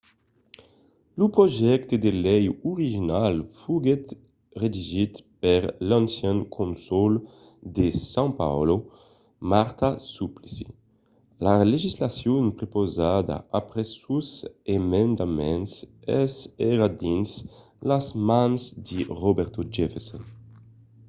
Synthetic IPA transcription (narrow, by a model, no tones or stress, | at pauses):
lupɾoʒɛkt̪ed̪elɛjuɾiʒinalfuɡet̪ | ʁed̪iʒit̪peɾlãnsjɛ̃ŋkʰõnsol | d̪esãŋpa̰wlo | maɾt̪asuplisḭ | laleʒislasjonpɾepozad̪a̰apɾesuzemẽnd̪amɛ̃nsɛsɛɾad̪ins | lazmãnzd̪iʁobɛɾt̪od͡ʒɛfesɔn